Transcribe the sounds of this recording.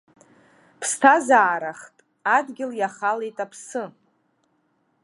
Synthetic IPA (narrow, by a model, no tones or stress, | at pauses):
pʰstʰazaːɾaχtʼ | adɡʲɪljaχalejtʼapʰsɨ